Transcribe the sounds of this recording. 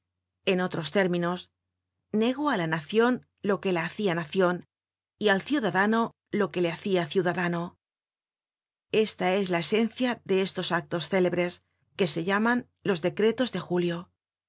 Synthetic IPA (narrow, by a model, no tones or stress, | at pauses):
e̞no̞t̪ɾo̞st̪e̞ɾmĩno̞s | ne̞ɣ̞oalanaθjo̞n | lo̞ke̞laːθianaθjo̞n | ialθjuðaðano̞ | lo̞ke̞le̞aθiaθjuðaðano̞ | e̞st̪ae̞zlae̞se̞n̟θjaðe̞e̞st̪o̞sak̚t̪o̞sθe̞le̞βɾe̞s | ke̞se̞ʎaman | lo̞zðe̞kɾe̞t̪o̞zðe̞xuljo̞